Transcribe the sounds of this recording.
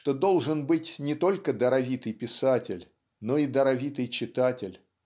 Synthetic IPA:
ʂt̪od̪o̞lˠʐɨnbɨtʲnʲɪt̪o̞lʲkəd̪əɾɐvʲit̪ɨjpʲɪsatʲɪlʲ | no̞id̪əɾɐvʲit̪ɨjt͡ɕɪt̪atʲɪlʲ

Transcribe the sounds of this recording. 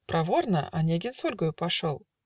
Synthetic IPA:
pɾʔɐvornəʔɐ̰nʲeɡʲɪnsolʲɡəjʊpɐʂolˠ

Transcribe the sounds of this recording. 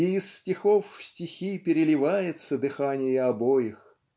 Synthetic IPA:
ɪɪstʲɪxofːsʲtʲɪxʲipʲɪɾʲɪlʲɪvajɪt̪səd̪ɨxanʲɪjəɐbojɪx

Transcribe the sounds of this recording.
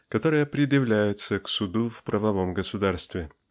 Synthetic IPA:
kɐt̪o̞ɾɨjəpɾʲɪd̪jɪvlʲæjɪt̪səksʊd̪ufpɾʔəvɐvo̞mɡəsʊd̪arst̪vʲɪ

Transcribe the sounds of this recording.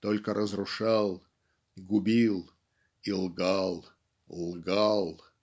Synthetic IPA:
t̪olʲkəɾʔəzrʊʂɑlˠ | ɡʊbʲilˠ | ilˠɡɑlˠ | lˠɡɑlˠ

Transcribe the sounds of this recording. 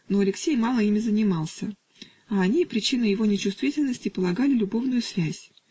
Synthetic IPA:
no̞ɐlʲɪksʲejmɑlˠəimʲɪzənʲɪmɑlˠsʲə | aːnʲipɾʲɪt͡ɕinɨjɪvo̞nʲɪt͡ɕʊst̪vʲitʲɪlʲnəsʲtʲɪpəlˠɐɡalʲɪlʲʊbo̞vnʊjʊsvʲæsʲ

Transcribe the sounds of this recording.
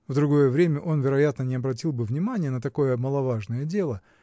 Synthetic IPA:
vd̪ɾʊɡo̞jəvɾʲemʲəʔo̞nvʲɪɾɐjat̪nənʲɪɐbɾɐt̬ʲilˠbɨvnʲɪmanʲɪjənət̪ɐko̞jəməlˠɐvaʐnəjədʲe̞lˠə

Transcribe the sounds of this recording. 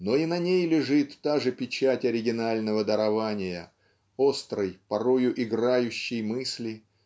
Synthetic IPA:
no̞inɐnʲejlʲɪʐɨt̪ːaʐɨpʲɪt͡ɕatʲɐɾʲɪɡʲɪnalʲnəvəd̪əɾɐvanʲɪjə | o̞st̪ɾəjpɐɾo̞jʊʔɪɡɾajʉɕːɪjmɨsʲlʲɪ

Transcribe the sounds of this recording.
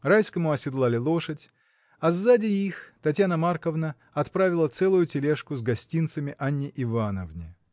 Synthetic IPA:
rajskəmʊɐsʲɪd̪lˠalʲɪlˠo̞ʂətʲ | ɐzːadʲɪixt̪ɐtʲjanəmarkəvnə | ɐt̪pɾavʲɪlˠət̪sɛlˠʊjʊtʲɪlʲeʂkʊzɡɐsʲtʲint̪səmʲɪʔanʲːɪʔɪvanəvnʲɪ

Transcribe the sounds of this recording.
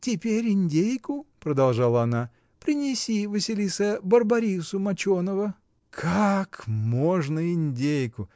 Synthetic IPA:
tʲɪpʲeɾʲɪnʲdʲejkʊpɾəd̪ɐlˠʐalˠəɐna | pɾʲɪnʲɪsʲivɨsʲɪlʲisəbərbɐɾʲisʊmɐt͡ɕonəvə | kʰakmoʐnəɪnʲdʲejkʊ

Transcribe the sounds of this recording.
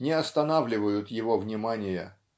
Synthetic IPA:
nʲɪɐst̪ɐnavlʲɪvəjʊt̪jɪvovnʲɪmanʲɪjə

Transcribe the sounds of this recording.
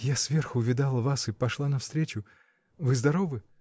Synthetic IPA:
jasvʲerxʊʊvʲɪd̪alˠəvasɨpɐʂlˠanɐfst̪ɾʲet͡ɕʊ | vɨzd̪ɐɾovɨ

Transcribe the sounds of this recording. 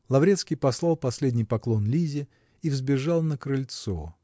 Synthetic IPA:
lˠɐvɾʲet̪skʲijpɐslˠɑlˠpɐsʲlʲedʲnʲɪjpɐklˠo̞nlʲizʲɪ | ivzbʲɪʐɑlˠnəkɾɨlʲt̪so̰

